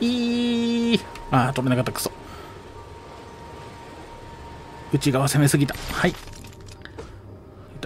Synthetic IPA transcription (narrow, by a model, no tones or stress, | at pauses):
iː | aːt̪oɾenakat̪ːakɯ̥so | ɯ̟t͡ɕiɡaβase̞me̞sɨɡʲit̪ḁhai | t̪